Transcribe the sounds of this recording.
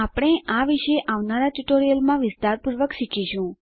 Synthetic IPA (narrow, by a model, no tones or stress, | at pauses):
apɽ̃eaʋiʃeʔaʋnaɾaʈuʈoɾijəlmãʋɪst̪aɾpuɾʋəkʃikiʃũ